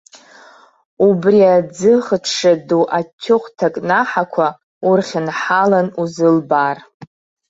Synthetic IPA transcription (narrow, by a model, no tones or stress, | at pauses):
ubriad͡zɨχətʰʂaduʔatʲʰːʊχʷtʰakʼnaħakʷʰa | urχʲɪnħalanuzɨlbar